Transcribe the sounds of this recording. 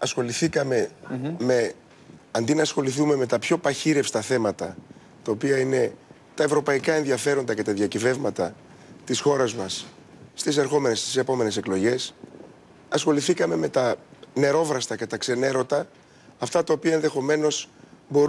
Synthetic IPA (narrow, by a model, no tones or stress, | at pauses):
ɐsxo̞liθikɐme̞me | ɐnd̪inɐːsxo̞liθume̞me̞t̪ɐpço̞pɐçiɾe̞fst̪ɐθe̞mɐt̪ɐ | t̪ɐo̞piɐine̞ | t̪ɐevɾo̞pɐikɐe̞nðiɐfe̞ɾo̞nd̪ɐce̞t̪ɐðjɐcive̞vmɐt̪ɐ | t̪isxo̞ɾɐzmɐs | st̪ise̞ɾxo̞me̞nest̪i̥se̞po̞me̞ne̞se̞klo̞ʝe̞s | ɐsxo̞liθikɐme̞me̞t̪ɐne̞ɾo̞vɾɐst̪ɐce̞t̪ɐkse̞ne̞ɾo̞t̪ɐː | ft̪ɐt̪ɐo̞piɐe̞nðe̞xo̞me̞no̞sbo̞ɾ